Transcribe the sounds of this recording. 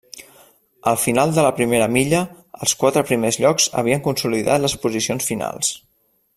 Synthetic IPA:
əlˠfinalˠd̪ələpɾimeɾəmiʎə | əlˠskwat̪ɾəpɾimezʎɔkz̥ə̰β̞iəŋkunsuliða̰t̪ləspuzisionsfina̰lˠs

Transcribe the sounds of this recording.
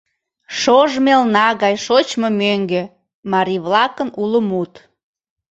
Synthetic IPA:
ʃoʒmelnɑɣɑjʃot͡ɕmomøŋɡe | mɑɾiβlɑkənuləmut̪

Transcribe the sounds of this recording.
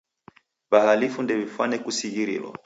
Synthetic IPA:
βahalifundɛvifwanɛkusiɣiɾḭlɔ̰

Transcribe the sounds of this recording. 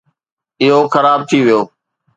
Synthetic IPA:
ɪɦoːxəɾaːb̚t̪ʰiːʋɪjoː

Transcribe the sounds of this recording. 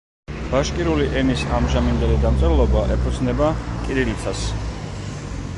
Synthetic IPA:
b̥aʃkʼiɾuliʔɛnisamʒamind̪ɛlid̪amt̪sʼɛlˠɔbaʔɛpʰut̪sʰnɛbakʼiɾilit̪ʰas

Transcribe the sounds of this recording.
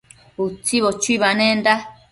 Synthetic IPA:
ut͡siβot͡ʃuiβanẽnd̪a

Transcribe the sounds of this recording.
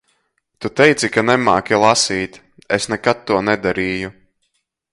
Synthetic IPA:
t̪ut̪ɛjt̪sikanɛmaːkʲilˠasiːt̪ʲ | esnɛkat̪̚ːuɔnɛd̪aɾiːju

